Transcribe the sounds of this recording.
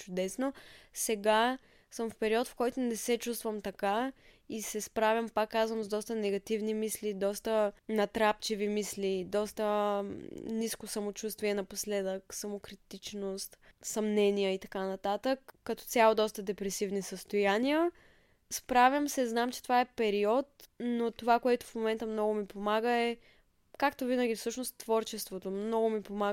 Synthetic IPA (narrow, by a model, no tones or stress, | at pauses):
t͡ʃʊd̪ɛsnosɛɡa | səmfpɛɾiɔt̪fkɔjt̪onɛsɛt͡ʃust̪vəmt̪ɐkaisɛspɾavʲjəmpakːazvəmzd̪ɔst̪ənɛɡɐt̪ivnimislid̪ɔst̪ənɐt̪ɾapt͡ʃivimislid̪ɔst̪ə | niskosəmot͡ʃust̪viɛnɐposlɛd̪əksɐmokɾit̪it͡ʃnost̪sɐmnɛnijəit̪ɐkanɐt̪at̪əkːɐt̪ɔ̥t̪sʲalˠod̪ɔst̪əd̪ɛpɾɛsivnisəst̪ojanijə | spɾavjəmsɛznamt͡ʃɛ̥t̪ovaɛpɛɾiɔt̪̚not̪ovakoɛt̪ʊ̥fmomɛnt̪əmnɔɡʊmipomaɡəɛ | kakt̪ovinəɡʲifsɤʃnost̪ːvɔɾt͡ʃɛst̪vot̪omnɔɡʊmipoma